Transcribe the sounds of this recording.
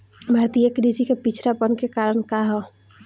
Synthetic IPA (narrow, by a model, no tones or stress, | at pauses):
bʱɐɾt̪ijəkɾiːsikepit͡ʃʰɾapənkekaːɾəɽ̃kaɦɔ